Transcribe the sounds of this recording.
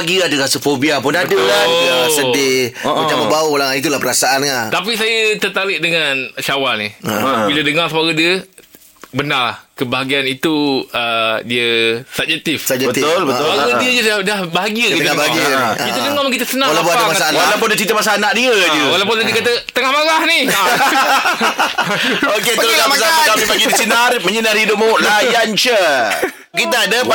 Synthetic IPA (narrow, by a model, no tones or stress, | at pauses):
ɡiəadəɾasəfobiapʊnadəlaəasədɪat͡ʃaməbauolaŋait̪̬ulahpəɾasaanŋat̪apisajət̪ərt̪alɪʔdəŋãnʃawalnibilədəŋarsəmaɡədiə | bənarla̰hkəbaɦaɡianit̪uədiəsab̚d͡ʒɛk̚t̪ifsd͡ʒbəolbəaɡədiəd͡ʒəsadahbaɦaɡiəkit̪taaaɡkit̪ədəŋamakit̪əsənãwalapamaalawp̬ʊndiət͡ʃit̪amas̬aːnaʔdiəd͡ʒuwalap̬ʊndədiəkat̪at̪əŋahmaɾahnia | okket̪əlodamasaakipaɡidisinarməɲənarhidʊp̚moʔlajant͡ʃə | kit̪aadəp